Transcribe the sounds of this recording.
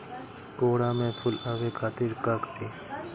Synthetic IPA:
koːɽaːmẽːpʰʊlaːʋeːkʰaːt̪ɪɾkakt̪ʰiː

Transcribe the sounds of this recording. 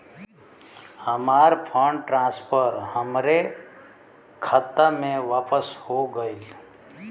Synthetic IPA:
həmaːɾpʰəɳɖʈɾãspʰəɾɦəmɾe | kʰət̪ːamẽʋaːpəshoɡəil

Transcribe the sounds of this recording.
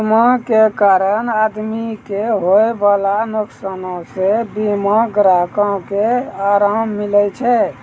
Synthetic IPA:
makekaɾənad̪mikeɦoebalanoksənõsebimãɡɾakə̃keaɾamːilɛt͡ʃʰɛ

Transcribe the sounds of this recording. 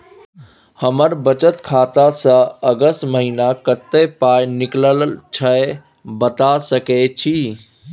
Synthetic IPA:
həməɾbət͡ʃət̪kʰaːt̪asə̃əɡəst̪məɦinakət̪ːepaːjnɪkləlt͡ʃʰəe | bət̪asəket͡ʃʰi

